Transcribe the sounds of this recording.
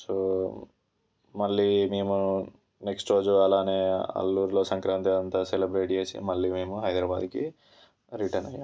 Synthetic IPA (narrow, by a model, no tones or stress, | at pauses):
soː | mɐɭːimeːmu | neksʈɾo̞ːd͡ʒuɐlaːne̞ːɐ̰lːuːɾlo̞ːsɐŋkɾaːnt̪idɐnt̪aselebɾe̞ːʈd͡ʒeːsḭmɐɭːiːmeːmuɦɐjd̪ɾaːbaːd̪ki | ɾiʈɐɾnɐjːa̰ː